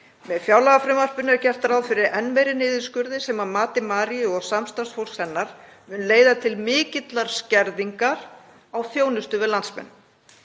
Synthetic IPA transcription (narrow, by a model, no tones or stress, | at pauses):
mɛðfjawlaɣafɾɪmar̥pʏnɛɾcɛr̥t̪aɾaːwðfɪɾɪɾɛnmejɾɪnɪːðɪskʏɾðɪsɛmaðmaːt̪ɪmaːɾiʏɔɣsamst̪ansfowl̥shɛnːaɾ̥ | mʏnleːjðat̪ʰɪlmɪːcɪt̪laɾ̥scɛɾðiŋkaɾ | awθjoːwnʏst̪ʏvɪðlant̪smɛ̰nː